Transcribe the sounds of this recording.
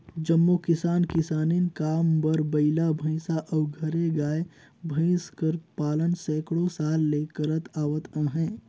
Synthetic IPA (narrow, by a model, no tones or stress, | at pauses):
d͡ʒəmːokɪsaːnkɪsaːninkaːmbəɾbɐɪlabʱə̃ɪ̃saʔɐbɡʱɐɾeɡaːe | bʱə̃ɪ̃skəɾpaːlənsɛːkɽosaːlːeːkəɾət̪aːʋət̪ãːɦɛ̃ː